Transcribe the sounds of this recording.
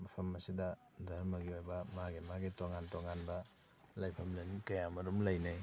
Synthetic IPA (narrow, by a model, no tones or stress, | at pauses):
mɐpʰɐmɐsidɐ | dʱɐɾmɐɡiojbɐmaɡimaɡitoŋantoŋanbɐ | lajpʰɐmlɐnikɐjamɐɾumlɐjnej